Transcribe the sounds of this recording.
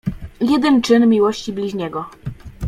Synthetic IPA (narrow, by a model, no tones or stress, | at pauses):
jɛd̪ɛnt͡ʂɘnmʲiwɔɕt͡ɕiblʲiʑɲɛɡɔ